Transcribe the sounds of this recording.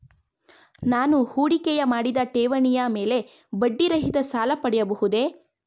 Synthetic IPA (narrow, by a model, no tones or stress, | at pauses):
naːnuhuːɽikɛjɐmaːɽid̪ɐʈeːʋɐɳijame̞ːle̞ | bɐɖːiɾɐɦid̪ɐsaːlɐpɐɽɛjɐbɐɦud̪e̞